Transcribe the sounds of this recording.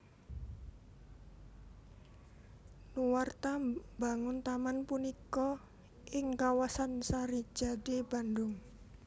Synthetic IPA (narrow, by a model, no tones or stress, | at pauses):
luwart̪abaŋʊnt̪amanpunikɔ | ʔɪŋkawasansaɾi̥d͡ʒ̥a̤deb̥a̤ndʊŋ